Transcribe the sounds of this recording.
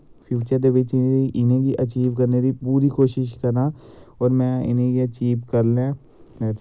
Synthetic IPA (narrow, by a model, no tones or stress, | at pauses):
fʰjuːt͡ʃəɾd̪eʋɪt͡ʃiʔɪnẽkiʔɐt͡ʃiːʋkɐɾned̪ipuːɾikoːʃɪʃkɐɾnaɔːɾmɛ̃ɪ̰nẽkiɐt͡ʃiːʋkɐɾlẽ | mɛ̃ː